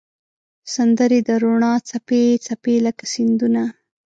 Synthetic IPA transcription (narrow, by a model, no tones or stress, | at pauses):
sand̪əɾed̪əɾoɳɑt͡sapet͡sapeləkasind̪una